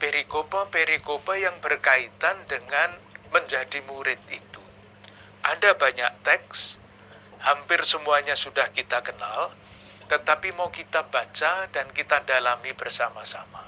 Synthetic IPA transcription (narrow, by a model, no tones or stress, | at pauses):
peɾikopapeɾikobajaŋbərkait̪andəŋanməɲd͡ʒadimuɾɪt̪̚it̪u | ʔadabaɲaʔ̚t̪ɛks | hampɪrsəmuaɲasudahkit̪akəna̰l | t̪ət̪apimaukit̪abat͡ʃadankit̪adalamibərsamasama